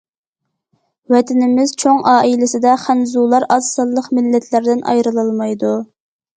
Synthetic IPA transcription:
wɛt̪ʰɪnɪmɪz̥t͡ʃʰoŋʔɑːʔilɪsɪd̪ɛχænzulˠɑɾɑz̥sɑlˠːəqmɪlːɛt̪ʰlæɾd̪ɪnʔɑ̰jɾɨlˠɑlˠmɑjd̪u

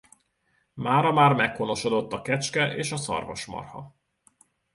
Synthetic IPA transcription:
maːɾɒmaːrmɛkhono̞ʃo̞d̪o̞t̪ːɒkɛt͡ʃkɛʔeːʃɒsɒ̰rvo̰ʃmɒ̰rhɒ̰

